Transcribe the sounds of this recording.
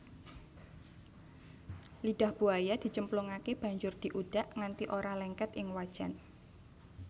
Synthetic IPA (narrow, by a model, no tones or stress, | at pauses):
liɖahb̥uajad̪̥i̤t͡ʃəmpluŋakeb̥ä̤ɲd͡ʒʊrd̪̥i̤ʔud̥aʔŋant̪iʔoɾalɛŋkɛt̪ʔɪŋwad̥ʒ̥an